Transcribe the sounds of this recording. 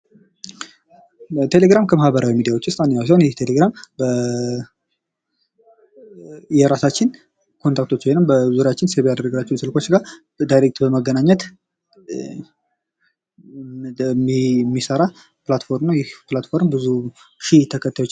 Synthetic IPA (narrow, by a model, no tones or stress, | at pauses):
t̪ʰe̞le̞ɡɾamkʰəmahbəɾʔawimid̪ijawo̞t͡ʃːɨst̪ʼanːjaws̬ihnjɛht̪ʰe̞le̞ɡɾambə | jɛɾasat͡ʃːɪn | kʰont̪ʰak̚t̪ʰo̞t͡ʃːhojnːəmbəzuɾjat͡ʃːɪnseβejad̪əɾəɡlat͡ʃːɛnsɨlko̞t͡ʃːɡa | d̪ajɾek̚t̪bəməɡːənaɲːɛt̪ | mmːisəɾa | pɨlat̪fo̞ɾmnawjɛhplat̪fo̞ɾmbɨzuʃɪht̪ʰəkʰət̪ʰːajot͡ʃː